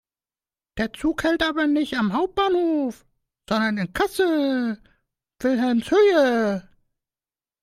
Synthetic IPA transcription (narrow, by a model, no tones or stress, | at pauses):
d̥eːɐt͡suːkhɛltʔaːbɐnɪçtamɦaʊp̚t̚b̥aːnhoːf | z̥ɔndɐnɪnkʰasə | v̥ɪlɦɛmshøːə